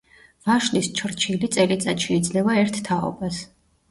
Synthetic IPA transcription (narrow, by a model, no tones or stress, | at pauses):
vaʃlist͡ʃʰɾt͡ʃʰilit̪sʼɛɾit̪sʼat̪ʃɛid̪zlɛvaɛɾt̪ːʰaɔ̰bas